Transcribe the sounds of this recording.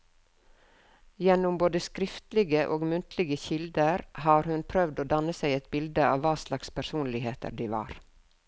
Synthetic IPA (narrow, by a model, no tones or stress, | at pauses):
jɛnʊmboːd̪əskɾɪft̪lɪɡəʔoːɡmʉnt̪ʰlɪɡəçɪld̪əɾhɑːɾhʉnpʰɾœʋd̪oːd̪ɑnəsæɪɛt̪̚bɪld̪əɑːʋːɑːslɑkspʰæsuːnlɪɦeːt̪ʰə̰ɾɖiːʋɑ̰ːɾ